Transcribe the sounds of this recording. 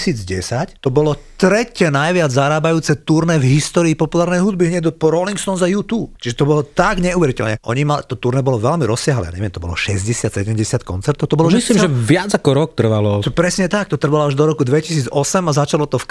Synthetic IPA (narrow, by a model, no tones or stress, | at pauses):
siːd͡zɟɛsact̪ɔbɔlɔt̪ɾɛcɛnajʋɪad͡zzaɾaːbajuːt͡sɛt̪uɾnɛvɦist̪ɔːɾiːpɔpulaːɾnɛjɦud̪biɦɲɛd̪ɔpɔɾɔliŋksɔnzajuːt̪uːpt͡ʃiʒɛt̪ɔbɔlɔt̪aɡɲɛuʋɛɾitɛlnɛʔɔɲimalt̪ɔt̪uɾnɛbɔlɔʋɛlmiɾɔsːɪaɦlɛ̰ja̰ɲɛʋɛmt̪ɔbɔ̰lɔ̰ʃɛzɟɛsɪat̪sɛɟɛmɟɛsɪat̪̚kɔ̰nt͡sɛɾt̪ɔʊt̪ɔbɔlɔmisslimʒɛʋɪad͡zakɔɾɔkk̚t̪r̩ʋalɔt̪ɔpɾɛsɲɛt̪ak̚t̪ɔt̪r̩ʋalɔaʒd̪ɔɾɔkud̪ʋɛcisiːd͡zɔsɛmazat͡ʃalɔt̪ɔf